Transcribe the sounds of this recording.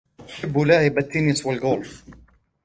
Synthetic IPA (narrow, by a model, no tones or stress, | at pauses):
ħɪbːʊlaːʕɪbat̪ːɪnɪswalɡoːlf